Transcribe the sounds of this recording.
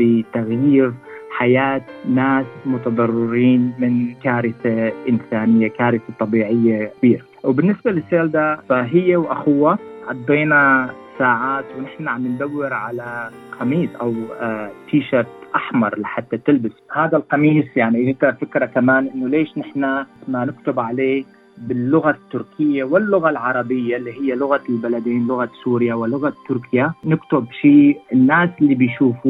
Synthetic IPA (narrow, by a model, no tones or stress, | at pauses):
fit̪aɣjiːɾħajaːt̪naːsmʊt̪ɑd̪ˤɑrˤːɪɾiːnmɪnkaːɾɪθaʔɪnsaːnɪjːakaːɾɪθat̪ˤːɑbiːʕɪjːakabiːɾa | wbɪnːɪsbalɪsaːld̪aːfaɦɪjːawʔaxʊwːaʕɑd̪ˤːiːnasaːʕaːt̪wnɪħnaʕamːɪnd̪awːɪɾʕala | xɑmiːsˤʔawt̪ʰiːʃɑɾˤt̪ʔaħmɑɾˤlɪħat̪ːat̪ɪlbashaːd̪alqɑmiːsjaʕniɪhk̪ɑɾˤfɪkɾakamaːnʔɪnːʊleːʃnɪħnamanɪkt̪ʊbʕaleːk | bɪlːʊɣat̪ːʊɾkʰɪjːawɪlːʊɣalʕɑɾˤɑbɪjːalːiːɦɪjːalʊɣalbalad̪iːnlʊɣasuːɾɪjawɪlʊɣat̪ːʊɾkʰjanɪkt̪ʊbʃiːɪnːaːsɪlːibɪjʃuːfu